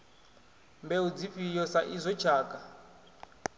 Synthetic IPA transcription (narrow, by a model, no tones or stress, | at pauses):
mbɛud͡zifijɔsaʔizʷɔt͡ʃʰaːkʼa